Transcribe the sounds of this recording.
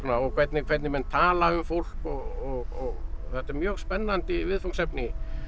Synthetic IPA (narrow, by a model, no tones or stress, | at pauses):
naɔɣkʰvɛt̪nɪkʰvɛɾt̪nɪmɛnt̪ʰaːlaʏmfowl̥kɔɣɔɣɔɣθɛht̪ɛɾmjœːɣspɛnːant̪ɪvɪðfosɛpnɪ